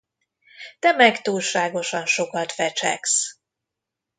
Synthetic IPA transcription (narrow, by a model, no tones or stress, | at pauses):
t̪ɛmɛkt̪uːlʃaːɡo̞ʃɒnʃo̞kɒt̪fɛt͡ʃɛ̰ks